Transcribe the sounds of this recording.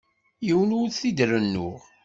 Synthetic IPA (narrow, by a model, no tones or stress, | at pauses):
jiwənuθid̪ɾənːʊʁ